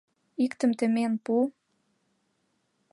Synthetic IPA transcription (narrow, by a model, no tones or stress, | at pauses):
ikt̪ə̆mt̪ə̆menpu